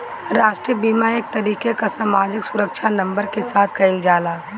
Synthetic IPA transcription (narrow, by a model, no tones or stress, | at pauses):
ɾaːʃʈɾiəbiːmaek̚t̪ɐɾiːkekasaːmaːd͡ʒɪksʊɾəkʃʰanɐ̃mbəɾkesaːt̪ʰkɐɪld͡ʒaːlaː